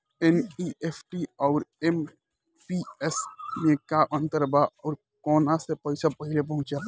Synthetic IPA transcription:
eniepʰʈiɔːɾem | piesmẽkaʔə̃nt̪əɾbaɔːɾ | kɔːnasepɐɪsapəɦɪlepɐ̃ɦʊ̃t͡ʃa

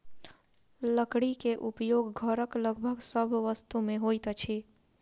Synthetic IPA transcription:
ləkɽikeʔupjoɡːʱəɾəkləɡbʱəɡsəbʱʋəst̪umeɦojt̪t͡ʃʰi

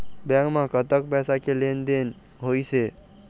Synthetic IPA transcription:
bãŋɡmãkət̪əkpɛsakelend̪en | ɦojse

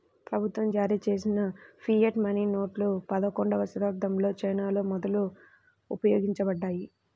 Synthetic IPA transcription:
pɾɐbʱut̪ʋɐmd͡ʒaːɾiːt͡ʃe̞ːs̬inɐpʰieʈmɐniːno̞ːʈlupɐd̪ɐkoɳɖɐʋɐsuɾɐɾd̪ʱɐmlo̞ːt͡ʃɐjnaːlo̞ːmɔd̪ɐlu | upɐjo̞ːɡiɲt͡ʃɐbɐɖːaːji

